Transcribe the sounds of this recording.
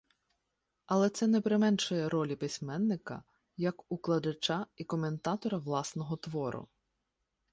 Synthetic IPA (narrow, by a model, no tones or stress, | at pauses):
ɐlˠɛt̪sɛnɛpɾɪmɛnʃɔjɛɾɔlʲipɪsʲmɛnːɪkɐ̰ | jɐkʊklˠɐd̪ɐt͡ʃaikɔme̞nt̪ɑt̪ɔɾɐʋlˠɑsnɔɦɔt̪ʋɔɾʊ̰